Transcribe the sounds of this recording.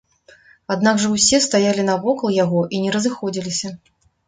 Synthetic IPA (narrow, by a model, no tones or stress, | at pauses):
ad̪naɡʐɐwsʲɛst̪ajalʲinɐvɔkɐlˠjaɣɔʔinʲɛɾɐzɨxɔd͡zʲilʲisʲɐ